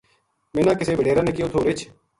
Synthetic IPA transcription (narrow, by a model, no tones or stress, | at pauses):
mẽːnãːkɪseːʋəɖeːɾãːnẽːkɪjoːt̪ʰoːɾɪt͡ʃʰ